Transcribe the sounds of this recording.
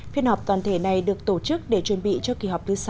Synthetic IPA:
fi˧ənha˨˩wk͡p̚t̪waː˨˩nt̪ʰe˧˩na˨˩jɗɨ˨˩ək̚t̪o˧˩t͡ɕɨ˦˥k̚ɗe˧˩t͡ɕwə˨˩nɓḭ˧˨t͡ɕɔ˧ki˨˩ɦa˨˩wk͡p̚t̪ɨ˨˦sa˧˦

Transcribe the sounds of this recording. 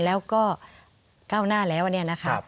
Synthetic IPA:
lɛː˦˥wkɔː˥˩ | kaː˥˩wnaː˥˩lɛː˦˥wʔa˨ni˥˩ɐna˦˥kʰa˦˧˥

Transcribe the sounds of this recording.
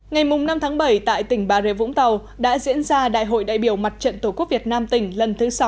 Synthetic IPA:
ŋa˨˩jmʊ˨˩ŋ͡mna˧mt̪ʰaː˨˦ŋɓə˨˩jt̪a̰ː˧˨jt̪ï˧˩ŋ̟ɓaː˧˩ze˧˩vʊ̰˧˥ŋ͡mt̪ə˨˩w | ɗa̰ː˧˥zḭ˧˥ənzaː˧ɗa̰ː˧˨jɦo̰˧˨jɗa̰ː˧˨jɓi˧˩əwma˨˩t̚t͡ɕə̰˧˨nt̪o˧˩ku˦˥ək̚vi˨˩ət̚naː˧mt̪ï˧˩ŋ̟lə˨˩nt̪ʰɨ˨˦sa˨˦w

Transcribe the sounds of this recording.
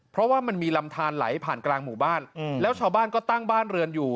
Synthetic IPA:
pʰɾɔ˦˥waː˥˩ma˧nmiː˧la˧mt̪ʰaː˧nla̰˩˦jpʰaː˨˩nklaː˧ŋmuː˨˩baː˥˩nlɛː˦˥wt͡ɕʰaː˧wbaː˥˩nkɔː˥˩t̪a˥˩ŋbaː˥˩nɾɯ˧ənjuː˨˩

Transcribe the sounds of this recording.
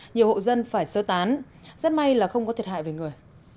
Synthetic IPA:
ɲi˨˩əwho̰˧˨zə˧nfaː˧˩jsəː˨˦t̪aː˨˦n | zə˦˥t̚ma˧jlaː˨˩xə˧wŋ͡mkɔ˨˦t̪ʰi˨˩ətʰha̰ː˧˨ve˨˩ŋɨ˨˩əj

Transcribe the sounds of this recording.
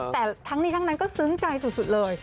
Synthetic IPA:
t̪ɛː˨˩t̪ʰa˦˥ŋniː˥˩t̪ʰa˥na˦˥nkɔː˥˩sɯ˦˥ŋt͡ɕa˧jsu˨˩su˨˩lɤː˧j

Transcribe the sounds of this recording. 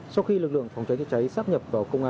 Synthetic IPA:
sa˧wxi˧lɨ˨˩k̚lɨ̰˧˨əŋfa˨˩wŋ͡mt͡ɕa˨˦jt͡ɕa˧˥˩t͡ɕa˨˦jsaː˦˥p̚ɲə˨˩p̚vaː˨˩wkə˧wŋ͡mʔaː˧

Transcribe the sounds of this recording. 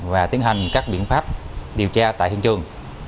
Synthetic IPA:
vaː˨˩t̪i˨˦ənɦa˨˩jŋ̟kaː˦˥k̚ɓḭ˧˨ənfaː˦˥p̚ɗi˨˩əwt͡ɕaː˧t̪a̰ː˧˨jhḭ˧ənt͡ɕɨ˨˩əŋ

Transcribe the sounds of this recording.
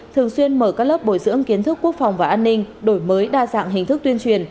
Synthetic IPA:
t̪ʰɨ˨˩əŋswi˧ənməː˧˩kaː˦˥k̚ləː˦˥p̚ɓo˧˩jzɨ̰˧˥əŋki˨˦ənt̪ʰɨ˦˥kːu˦˥ək̚fa˨˩wŋ͡mvaː˨˩ʔaː˧nːï˧ŋ̟ɗo˧˩jməː˨˦jɗaː˧za̰ː˧˨ŋɦï˨˩ŋ̟t̪ʰɨ˦˥k̚t̪wi˧ənt͡ɕwi˨˩ən

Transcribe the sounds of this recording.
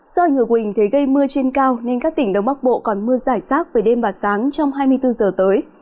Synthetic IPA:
z̥ɔ˧˨˩ŋɨ˨˩əkwï˨˩ŋ̟t̪ʰe˨˦ɣə˧jmɨ˧ət͡ɕe˧nkaː˧wne˧nkaː˦˥k̚t̪ï˧˩ŋ̟ɗə˨˧wŋ͡mɓa˦˥k̚ɓo̰˧˨kɔ˨˩nmɨ˧əzaː˧˩jsaː˦˥k̚veː˨˩ɗe˧mɓaː˨˩saː˨˦ŋt͡ɕɔ˧wŋ͡mɦaː˧jmɨ˧əjt̪ɨ˧zəː˨˩t̪əː˨˦j

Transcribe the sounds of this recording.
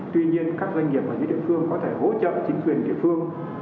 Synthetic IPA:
t̪wi˧ɲi˧ənkaː˦˥k̚zwa˧ŋŋi˨˩əp̚ʔaː˧˩ɨ̰˧˥ɗḭ˧˨fɨ˧əŋkɔ˨˦t̪ʰe˧˩ɦo̰˧˥t͡ɕə̰ː˧˨t͡ɕï˨˦ŋ̟kwi˨˩ənɗḭ˧˨əfɨ˧əŋ

